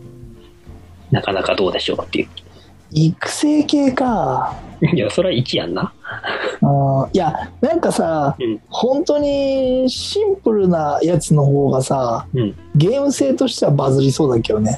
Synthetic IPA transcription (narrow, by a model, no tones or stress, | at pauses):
nakanakad̪o̞ːd̪e̞ɕo̞̰ːt̪ːḛɯ̟ | ikɯ̟̥se̞ːke̞ːka | jasoɾeaikʲija̰nːa | ɯ̃ːjanãŋkasahõ̞nt̪o̞ɲ̟iɕĩmpɯ̟ɾɯ̟najat͡sɨno̞ɦo̞ːɡasaɯ̃ | ɡe̞ːmɯ̟se̞ːt̪o̞ɕi̥t̪e̞βabazɨɾʲiso̞ːd̪ake̞jone̞